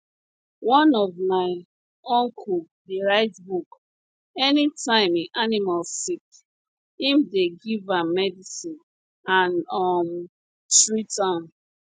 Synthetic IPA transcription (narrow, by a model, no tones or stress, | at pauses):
wɔ̃nɔvmaɪ | ɔ̃ŋkʰu | deɹaɪtbuk | ɛnitʰãɪ̃mĩʔanimalsik | hĩmdeɡivãmɛdisĩn | ãnɔm | tɹitãn